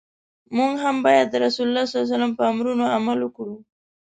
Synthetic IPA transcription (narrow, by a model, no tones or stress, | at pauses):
muŋɡɦambɑjad̪ːəɾasulʊlːɑsaljs̬alampəamɾunoamalukɽu